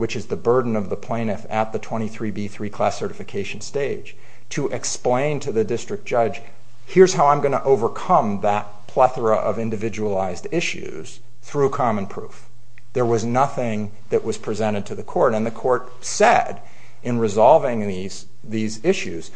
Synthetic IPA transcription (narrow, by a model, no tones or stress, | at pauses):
wɨt͡ʃɨzðɨbɜ˞dⁿn̩ʌvðəpʰl̥ẽɪ̃ñɨfɨt̪̚ðɨtʰw̥ɛ̃ɾ̃iθɹibiθɹikʰl̥æsɜ˞ɾɨfɨkʰeɪʃn̩steɪd̥ʒ̥ | tʰɨʔɨksplẽɪ̃ntʰɨðɨdɪstɹ̥ɨk̚d̥ʒ̥ʌ̥ʒ̥ | hɪɹz̥haʊãɪ̃mɡʌñəʔoʊvə˞kʰʌ̃mðət̚pʰl̥æθə˞əʔʌvɪ̃ndɨvɪd͡ʒəlaɪzdɪʃʉ̰z̥ | θɹʉkʰɑmə̃npʰɹ̥uf | ðə˞wʌznʌθɪ̃ŋ | ðɨʔwʌz̥pʰɹ̥izɛ̃ɾ̃ɨd̚tʰɨðɨkʰɔɹɾɨ̃nðɨkʰɔɹt̚ | sɛɾ | ɨ̃nɹɨzɑlˠvɪ̃ŋðiz̥ | ðizɪʃʉz̥